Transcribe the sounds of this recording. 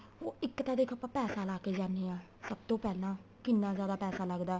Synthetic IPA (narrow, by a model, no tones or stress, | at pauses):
oːɪkːt̪ãːd̪eːkʰəpãːpɛːsaːlaːkeːd͡ʒaːneːãː | səb̚t̪õːpɛːlãː | kɪnːãːzjaːd̪aːpɛːsaːləɡd̪aː